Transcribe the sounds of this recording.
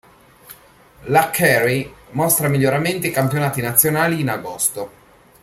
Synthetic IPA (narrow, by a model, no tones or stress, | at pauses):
lakʰːɛrimost̪ɾamiʎːoɾament̪ikampjonaːt̪inat̪sːjonaːliːnaɡost̪o